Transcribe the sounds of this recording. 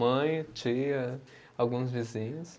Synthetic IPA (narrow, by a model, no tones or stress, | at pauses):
ɐ̃j̃t͡ʃiɐ | awɡũzvizĩɲʊs